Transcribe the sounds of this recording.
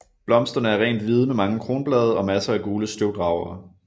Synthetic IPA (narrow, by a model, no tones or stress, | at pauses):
b̥lɒ̽msd̥ɐnəæɐʁɛ̰ːnd̥ʋið̞ˠmemɑ̈ŋəkʰʁo̝ːnb̥lɛːð̞ˠɐɒ̽mæsɐæɡ̥uːləsd̥oʊd̥ʁɑ̈ʊ̰ɐː